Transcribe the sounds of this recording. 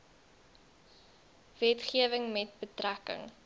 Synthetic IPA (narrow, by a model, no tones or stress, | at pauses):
vɛtχiəvəŋmɛt̚bətrækə̰ŋ